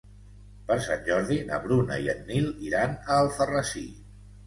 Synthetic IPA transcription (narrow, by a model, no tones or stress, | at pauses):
pəɾsanʲʒɔɾðinə̰βɾunə̰iənːilˠiɾanəlˠfərəsi